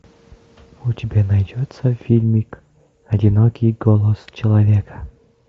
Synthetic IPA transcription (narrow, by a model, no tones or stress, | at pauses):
ʊtʲɪbʲanɐjdʲot̪səfʲilʲmʲɪk | ɐdʲɪnokʲijɡolˠəst͡ɕɪlˠɐvʲekə̥